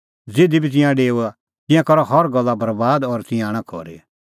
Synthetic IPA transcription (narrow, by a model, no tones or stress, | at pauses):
d͡zeːd̪ibʱit̪̬ɪ̃jãɖeːua | t̪ɪ̃jãkɔɾɔhɔɾɡɐlːabɐɾbaːd̪ɔɾt̪ɪ̃jãːɽ̃ãkʰɔ̰ɾḛ